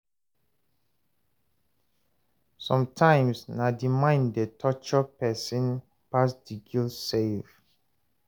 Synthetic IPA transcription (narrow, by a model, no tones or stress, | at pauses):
sɔ̃mtʰãɪ̃msnadimãɪ̃ndetʰɔt͡ʃɔpɛsĩn | pasdiɡilsev